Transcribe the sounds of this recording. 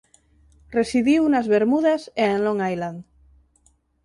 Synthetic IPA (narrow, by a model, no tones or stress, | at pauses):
resiðiwnazβeɾmuðaseenlõŋajland̪